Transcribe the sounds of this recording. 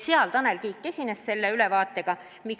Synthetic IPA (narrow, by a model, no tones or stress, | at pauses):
seɑlt̪ɑnelkiːkˑːe̞sʲinesse̞lːeylɛvɑːt̪ːˑe̞ɡ̥ɑ | mik